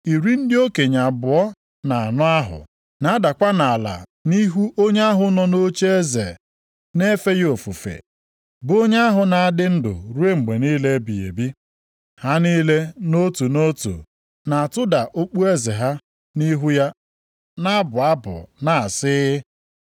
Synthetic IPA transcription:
i˨ɾi˦n̩˦dɪ˦o˦ke˨ɲa˨bʊ˨ɔ˦ | na˨a˨nʊ˦a˦ɦʊ̰˨ | na˨a˦da˨kʷa˦na˨a˨la̰˨ni˦ɦu˦ʔo˦ɲ˦a˦ɦʊ˨nɔ˦no˦t͡ʃe˦e˦zḛ˨ | ne˦fe˦jo˨fu˨fḛ˨ | bʊ˨o˦ɲe˦a˦ɦʊ˨na˨a˦dɪ˦n̩˦dʊ̰˨ɾu˦e˦ŋ͡m̩˨ɡ͡be˨niː˦le˦bi˨ḛ˨bi˦ | ha˦niː˦le˦no˦tu˨no˦tṵ˨ | na˨a˨tʊ˦da˨ʔo˦k͡pu˦e˦ze˨ɦa˦ | ni˦ɦu˦ja˦ | na˦bʊ˨a˦bʊ̰˨na˨a˨sɪ˦

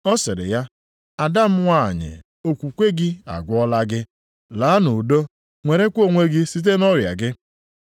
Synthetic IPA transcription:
ɔ˦sɪ˨ɾɪ̰˨ja˦ | a˨da˦m̩˦ŋʷa̰˦˨ɲɪ̰˨ | o˨kʷu˨kʷe˦ɡɪ˦a̰˨ɡʷɔ˦la˦ɡɪ˦ | laː˨˦nu˨do˦ | ŋʷe˨ɾe˦kʷo˦˨ŋʷe˦ɡɪ˦si˦t̬e˦nɔ˦ɾja̰˨ɡɪ˦

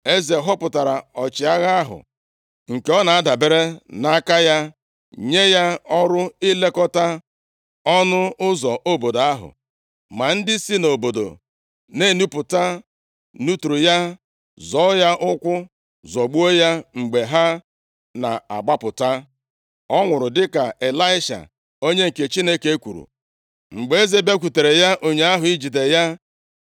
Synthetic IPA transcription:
e˦ze˨ɦɔ˦pʊ˨ta˨ɾa˨ɔ˨t͡ʃɪ˨a˦ɣa˦a˦ɦʊ̰˨ | ŋ̩˨ke˨˦ɔ˦na˨a˦da˨be˦ɾe˦na˦ka˦ja˦ | ɲe˦ja˦ɔ˦ɾʊ˦i˦le˦kɔ˦ta˦ | ɔ˦nʊ˦ʊ˦zɔ˨ʔo˦bo˨da˦ɦʊ̰˨ | ma˨n̩˦dɪ˦si˦no˨bo˨do̰˨ | ne˦˨nu˦pʊ˨ta˦ | nu˦tu˨ɾu˨ja˦ | zɔ˨˦ja˦ʔʊ˦kʷʊ˦ | zɔ˨ɡ͡bu˦o˦ja˦ŋ͡m̩˨ɡ͡be˨ɦa˦ | na̰˨a̰˨ɡ͡ba˦pʊ˨ta˦ | ɔ˦ŋʷʊ˨ɾʊ˨dɪ˦ka˨e˨la˦ɪ˦ʃa̰˨ | o˦ɲe˦ŋ̩˨ke˨t͡ʃi˦ne˦ke˦kʷu˨ɾṵ˨ | ŋ͡m̩˨ɡ͡be˨e˦ze˦be˦k̬ʷu˨te˨ɾe˨ja˦ʔo˨ɲe˦a˦ɦʊ˨i˦d͡ʒi˨de˨ja˦

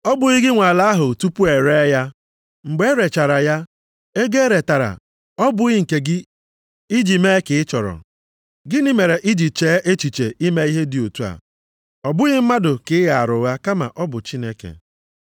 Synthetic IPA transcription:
ɔ˦bʊ˨ɣɪ˦ɡɪ˦ŋʷa˨la˦ɦʊ˨tu˦pu˦e˨ɾe˦ja˦ | ŋ͡m̩˨ɡ͡be˦ɾe˨t͡ʃa˨ɾa˨ja˦ | e˦ɡe˦ɾe˨ta˨ɾa̰˨ | ɔ˦bʊ˦ɣɪ˦ŋ̩˨ke˨ɡɪ˦ | i˦d͡ʒi˨me˦kɪ˨ɪ˦t͡ʃɔ˨ɾɔ̰˨ | ɡɪ˦nɪ˦me˨ɾe˨ʔi˦d͡ʒi˨t͡ʃeː˨˦ʔe˦t͡ʃi˨t͡ʃe˨ʔi˦me˦i˦ɦe˦dɪ˨o˨tu˦a̰˨ | ɔ˨bʊ˦ɣɪ˦m̩˦ma˦dʊ˨kɪ˦ɪ˦ɣa˨a˨ɾʊ˨ɣa˦ka˦ma̰˨ʔɔ˦bʊ˨t͡ʃi˦ne˦kḛ˨

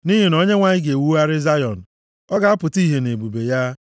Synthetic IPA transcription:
ni˦ɦi˨no˦ɲe˦ŋʷa˨ɲɪ˦ɡe˨wu˦a˦ɾɪ˦za˦jɔ˨n̩˨ | ɔ˦ɡa˨a˦pʊ˨ti˦ɦe˨ne˨bu˨be˨ja˦

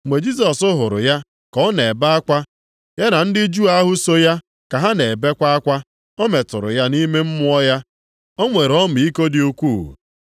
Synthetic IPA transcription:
ŋ͡mʷe˨d͡ʒi˦s̬ɔ˨sʊ˦ɦʊ˨ɾʊ̰˨ja˦ | kɔ˨˦ne˨ba˦a˦kʷa˦ | ja˦na˨n̩˦dɪ˦d͡ʒu˦a˦ɦʊ˦so˦ja˦ | ka˨ɦa˦ne˨e˨be˦kʷa˦a˦kʷa˦ | ɔ˦me˨tʊ˨ɾʊ̰˨ja˦ni˦me˦m̩˦mʊ˦ɔ˦ja˦ | ɔ˦ŋʷe˨ɾɔ˦m̩˨i˦ko˦dɪ˨u˦kʷṵ˦˨

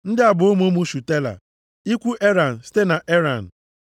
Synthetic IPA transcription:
n̩˦dɪ˦a˨bʊ˨o˦mo˦mu˦ʃu˨te˦la̰˨ | i˦kʷu˦ʔe˦ɾa˨n̩˨si̥˦te˦na˨ʔe˦ɾa˨n̩˨

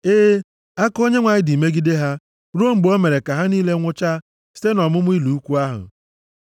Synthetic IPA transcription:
eː˦ | a˦ko˦ɲe˦ŋʷa˨ɲɪ˦di˨me˦ɡi˦de˦ɦa˦ | ɾu˦o˦m̩˨ɡ͡bo˦me˨ɾe˨ka˨ɦa˦niː˦le˦ŋʷʊ˦t͡ʃa˦ | si̥˦te˦nɔ˨mʊ˦m̩˦i˦lu˨u˦kʷu˦a˦ɦʊ̰˨

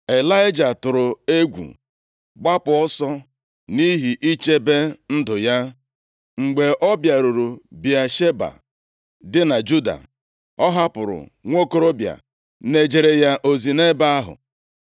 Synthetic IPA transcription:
e˨la˦jɪ˦d͡ʒa˨tʊ˨ɾʊ˨e˦ɡʷṵ˨ | ɡ͡ba˦pʊ˨ɔ˦sɔ˦ | ni˦ɦi˨ʔi˦t͡ʃe˦be˦n̩˦dʊ˨ja˦ | ŋ͡m̩˨ɡ͡be˨ʔɔ˦bja˨ɾu˨ɾu˨bja˨ʃe˦ba̰˨ | dɪ˦na˨d͡ʒu˦da̰˨ | ɔ˦ɦa˦pʊ˨ɾʊ̰˨ŋʷo˦ko˦ɾo˦bja̰˨ | ne˦d͡ʒe˨ɾe˦ja˦ʔo˦zi˨ne˦ba˦a˦ɦʊ̰˨

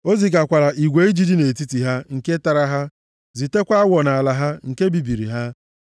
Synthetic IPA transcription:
o˦zi˨k̬a˨kʷa˨ɾa˨ʔi˨ɡʷe˨˦i˦d͡ʒi˦di˦ne˨ti˦ti˨ɦa˦ŋ̩˨ke˦ta˨ɾa˦ɦa˦ | zi˨te˦kʷa˦a˦wʷɔ˨na˨a˨la˨ɦa˦ŋ̩˨ke˦bi˨bi˨ɾḭ˨ɦa˦

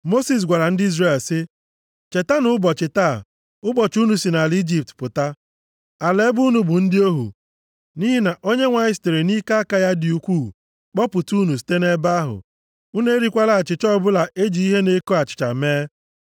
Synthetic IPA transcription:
mo˦si˨s̬ɡʷa˨ɾa˨n̩˦dɪ˦i˦zre˨lsɪ˦ | t͡ʃe˨ta˦nʊ˦bɔ˨t͡ʃɪ˨ta˦˨ | ʊ˦bɔ˨t͡ʃu˦nu˨si˨na˨li˦d͡ʒi˦˨p̚tpʊ˨ta˦ | a˨le˦bu˦nu˨bʊ˨n̩˦dɪ˦o˦ɦṵ˨ | ni˦ɦi˦na˨ʔo˦ɲe˦ŋʷa˨ɪ˦ste˨ɾe˨ni˦ka˦a˦ka˦ja˦dɪ˨u˨kʷuː˦˨ | k͡pɔ˦pʊ˨tu˦nu˨s̬i̥˨te˦ne˦ba˦ɦʊ̰˨ | u˦ne˦ɾi˦kʷa˦la˨a˨t͡ʃɪ˨t͡ʃɔ˦bʊ˦la˨ʔe˦d͡ʒi˨˦i˦ɦe˦ne˦ko˦a˨t͡ʃɪ̥˨t͡ʃa̰˨meː˦

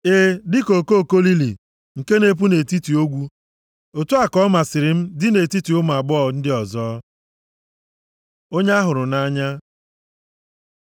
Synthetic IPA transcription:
e˦dɪ˦ko˨ko˦˨ko˦li˦lḭ˨ | ŋ̩˨ke˦ne˦p̬u˦ne˨ti˦ti˨o˦ɡʷu˦ | o˨tu˦a˨kɔ˦ma˨sɪ˨ɾɪ˨m̩˦dɪ˦ne˨ti˦ti˨ʊ˦m˨a˨ɡ͡bɔ˦˨n̩˦dɪ˦ɔ˨zɔː˦ | o˦ɲe˦a˦ɦʊ˨ɾʊ˨na˦ɲa˦

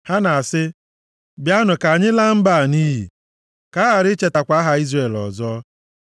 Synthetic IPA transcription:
ha˦na˨a˨sɪ˦ | bja˦nʊ˨ka˨ɲɪ˦la˦m̩˦ba˦˨niː˦ɦḭ˨ | ka˨˦a˨ɾɪ˦t͡ʃe˦˨ta˨kʷa˨˦ɦa˨i˦zre˨lɔ̰˨zɔ˦

